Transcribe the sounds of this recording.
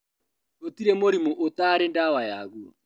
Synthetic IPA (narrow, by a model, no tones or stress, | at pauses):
ot̪iɾemoɾimoʔot̪aɾendawajaɣuɔ̰